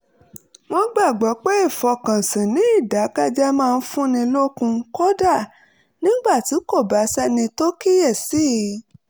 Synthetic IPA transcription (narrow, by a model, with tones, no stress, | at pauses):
w̃ɔ̃˦ɡ͡ba˦˨ɡ͡bɔ˨˦k͡pɛ˦i˦˨fɔ˧kã˨sĩ˨nĩ˨˦i˦˨da˨˦ka˦d͡ʒɛ˦mãː˦˧n̩˦fũ˦nĩ˧lo˦kũ˧kɔ˦da˦˨ | nĩ˦ɡ͡ba˦˨ti˨˦ko˦˨ba˨˦sɛ˦nĩ˧to˦ki˦jɛ˦˨si˦˨˦